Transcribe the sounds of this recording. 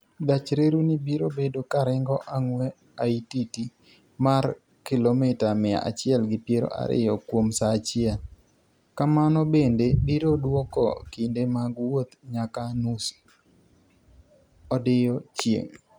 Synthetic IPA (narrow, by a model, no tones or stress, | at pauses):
d̪at͡ʃɾeɾunibiɾobedokaɾɪŋɡɔʔaŋwɛ | aititi | mar | kɪlomɪtamɪa̰ʔa̰t͡ʃɪɛlɡɪpjeɾo̰ʔa̰ɾɪ̰jɔkwomsat͡ʃɪɛl | kamanɔbendebiɾodwɔkɔ̰kindemaɡwot̪ɲakanus | ɔdɪjɔt͡ʃjḛŋ